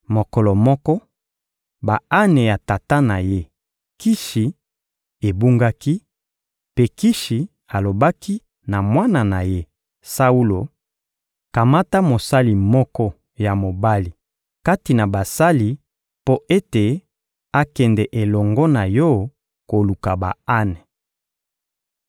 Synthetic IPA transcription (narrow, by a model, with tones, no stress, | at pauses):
mo˨kɔ˨lɔ˨mɔ˦kɔ˦ | ba˨a˦ne˨ja˨ta˨ta˦na˨je˦ | ki˦ʃi˨ | e˨bu˦ŋɡa˦ki˦ | pe˦ki˦ʃi˨ | a˨lo˨ba˦ki˦ | na˨mwa˦na˨na˨je˦ | sa˦u˦lo˨ | ka˨ma˦ta˦mo˨sa˦li˨mɔ˦kɔ˦ | ja˨mo˨ba˦li˨ | ka˦ti˨na˨ba˨sa˦li˨ | po˦ʔe˦te˨ | a˦kɛ˨ndɛ˨ʔe˨lɔ˨ŋɡɔ˦na˨jɔ˦ | ko˨lu˨ka˨ba̰˨a˦ne˨